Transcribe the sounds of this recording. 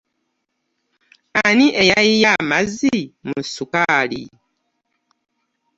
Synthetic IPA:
aniʔɛjaijamazimusukalḭ

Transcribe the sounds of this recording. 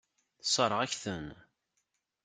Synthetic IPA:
θsˤəɾˤəʁæçθən

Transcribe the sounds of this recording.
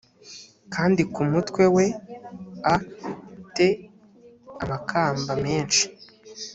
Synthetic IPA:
kʰaːndikumutwe̞we̞ | a | te̞ | amakʰaːmbame̞ːnʃi̥

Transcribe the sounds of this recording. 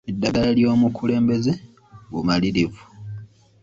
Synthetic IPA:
edːaɡalaljo̞ːmukʰule̞ːmbe̞ze | ɡumaliɾivu̥

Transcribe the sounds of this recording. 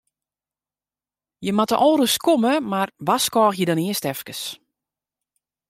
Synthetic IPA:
jəmatə̰ʔɔːɾəskoməmarʋaskɔːxjədɔniəstɛfkəs

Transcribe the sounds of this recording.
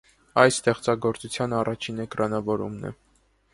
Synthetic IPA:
ɑjsst̪ɛχt͡sɑɡɔɾt͡sut͡sʰjɑnɑrɑt͡ʃʰinɛkɾɑnɑvɔɾṵmnɛ̰

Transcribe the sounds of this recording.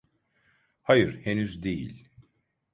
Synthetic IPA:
hajɯɾ̥henyzd̪ejḭlʲ

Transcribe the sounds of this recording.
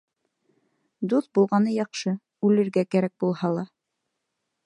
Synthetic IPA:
d̪uθbulˠʁɑnɤjɑqʃɤ | ʉlɘ̆ɾɡækæɾæk̚bulˠhɑlˠɑ

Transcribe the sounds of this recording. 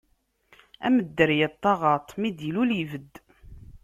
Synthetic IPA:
æ̰məd̪ːəɾjæt̪ˤːɑʁɑt̪ˤːmid̪ilulivəd̪ː

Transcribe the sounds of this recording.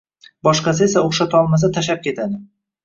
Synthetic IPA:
bɒʃqɑsɪesaoχʃat̪ʰɒlˠmaz̬at̪ʰaʃap̚kʲe̞t̪ʰad̪ɪ

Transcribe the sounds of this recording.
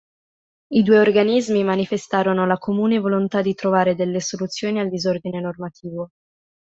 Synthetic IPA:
id̪uːeorɡanizmimanifest̪aːɾonolakomuːnevolont̪ad̪it̪ɾovaːɾed̪elːesolut̪sːjoːniald̪izord̪inenormat̪ʰiːvo

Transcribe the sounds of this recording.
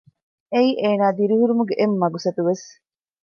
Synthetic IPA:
eiːʔeːnaːd̪iɾiɦuɾumuɡeʔemːɐɡusɐt̪uʋes

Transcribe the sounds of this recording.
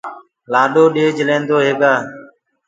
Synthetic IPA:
laːɗoːɗeːd͡ʒəlẽːnd̪oːɦeːɡaː

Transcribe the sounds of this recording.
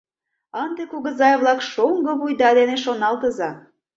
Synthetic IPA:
ɑnd̪ekuɣə̆zɑjβlɑkʃoŋɡɤ̆βujd̪ɑd̪eneʃonɑlt̪ə̆zɑ

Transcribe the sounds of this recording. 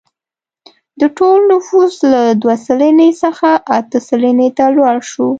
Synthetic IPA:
d̪əʈolnʊfuslad̪wasəlinesəxaʔat̪əsəlinet̪alwɑɽʃu

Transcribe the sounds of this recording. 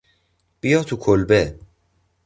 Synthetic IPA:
b̥ijɒːt̪ʰukʰolbe

